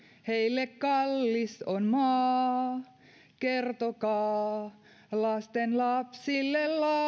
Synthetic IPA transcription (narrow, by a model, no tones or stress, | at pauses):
heilːekkɑlːisonmɑː | kert̪okɑː | lɑst̪enlɑpsilːellɑ